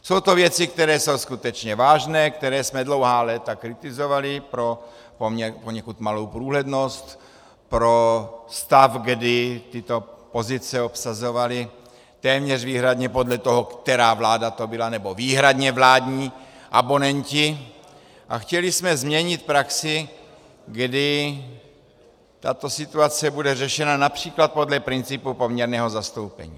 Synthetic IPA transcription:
sowt̪ovjɛt͡sɪk̚t̪ɛɾɛːso̞wskut̪ɛt͡ʃɲɛvaːʒnɛːkt̪ɛɾɛːsmɛdlo̞wɦaːlɛːt̪akɾɪt̪ɪzo̞valɪpɾo | pomɲɛpoɲɛkut̪malowpɾuːɦlɛdnost̪ | pɾost̪afɡdɪt̪ɪt̪opozɪt͡sɛopsazo̞valɪ | t̪ɛːmɲɛrviːɦɾad̪ɲɛpo̞dlɛt̪oɦokt̪ɛɾaːvlaːdat̪o̞bɪlanɛboviːɦɾadɲɛvlaːdɲiː | ʔabo̞nɛɲcɪ | ʔa̰xcɛlɪsmɛzmɲɛɲɪt̪̚pɾaksɪ | ɡdɪ | t̪at̪o̞sɪt̪uat͡sɛbudɛrɛʃɛnanapr̝̥iːklat̪̚po̞dlɛpɾɪnt͡sɪpupo̞mɲɛɾnɛːɦo̞zast̪owpɛ̰ɲḭː

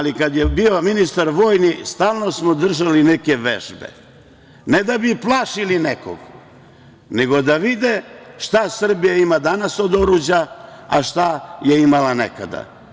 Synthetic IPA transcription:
alikad̪jebio̞minist̪aɾʋoːjnist̪aːlˠno̞smod̪r̩ʒalineke̞ʋḛʒbḛ | ned̪abiplˠaːʃilineko̰ɡ | neɡo̞d̪aʋid̪eʃt̪asr̩bijaimad̪anaso̞d̪o̞ɾud͡ʑaaʃt̪ajeimalaneka̰d̪a̰

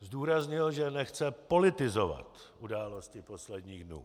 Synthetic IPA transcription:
zduːɾazɲɪlʒɛnɛxt͡sɛpo̞lɪt̪ɪzo̞va̰t̪ | ʔudaːlo̞scɪpo̞slɛdɲiːɣdnṵː

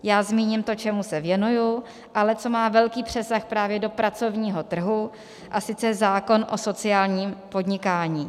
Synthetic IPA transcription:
jaːzmiːɲɪmt̪o̞t͡ʃɛmusɛvjɛnuju | ʔalɛt͡so̞maːvɛlkiːpr̝̥ɛsaxpɾaːvjɛdo̞pɾat͡so̞vɲiːɦo̞t̪r̩ɦu | ʔasɪt͡sɛzaːko̞nʔo̞̰so̞t͡sɪaːlɲiːmpo̞dɲɪkaːɲiː

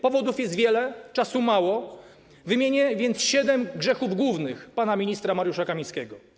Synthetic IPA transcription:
pɔvɔd̪ufjɛst̪vʲjɛlɛt͡ʂasumawɔ | vɘmʲjeɲɛvʲjɛnt̪sɕɛd̪ɛmɡʐɛxuvɡwuvnɘxpanamʲiɲist̪ɾamaɾjuʂakamʲĩjskʲɛɡɔ

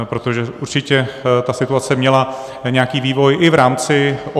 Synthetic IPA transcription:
pɾo̞t̪o̞ʒɛʔṵɾt͡ʃɪcɛt̪asɪt̪uat͡sɛmɲɛla | ɲɛakiːviːvo̞jʔɪvɾaːmt͡sɪʔo

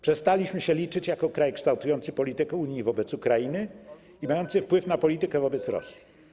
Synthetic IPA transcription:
pʂɛst̪alʲiɕmɘɕɛlʲit͡ʂɘt͡ɕjakɔkɾajkʂt̪awt̪ujɔnt̪sɘpɔlʲit̪ɘkɛuɲjivɔbɛt̪sukɾainɘ | imajɔnt̪sɘfpwɘfnapɔlʲit̪ɘkɛvɔbɛt̪sɾɔ̰sʲji̥

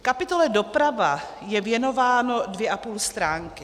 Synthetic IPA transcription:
kapɪt̪olɛdopɾava | jɛvjɛnovaːnodvjɛʔapuːlst̪ɾaːŋkɪ

